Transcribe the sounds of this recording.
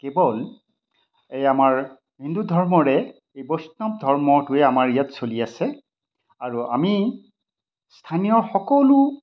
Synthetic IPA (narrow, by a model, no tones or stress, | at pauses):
kebɔl | ejamaɹ | bʱindudʱɔɹmɔɹɛ | ejbosnɔm̚dʱɔɹmɔtʊɛamaɹijatsoliasɛ | aɹua̰mi | stʰanijɔxɔkɔlu